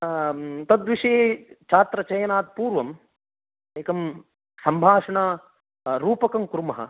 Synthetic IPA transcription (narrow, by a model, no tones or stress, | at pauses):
t̪ɐd̪ʋiʂɐet͡ʃaːt̪ɾɐt͡ʃɐjɐnaːt̪̚puːɾʋɐm | eːkɐm | sɐmbʱaːʂɐɳɐ | ɾuːpɐkɐmkɾumɐɦɐ̰